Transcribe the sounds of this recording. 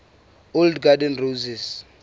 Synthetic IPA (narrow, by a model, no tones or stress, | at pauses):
oldɡadɛnrozɛs